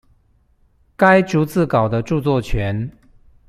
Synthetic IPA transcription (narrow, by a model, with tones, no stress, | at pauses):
ka˦ɪʈ͡ʂu˧˥t͡sɹ̩˥˩kɑ˨˩ʊd̪ə˦ʈ͡ʂu˥˧t͡swɔ˥˩t͡ɕʰɥɛ˨˧˦n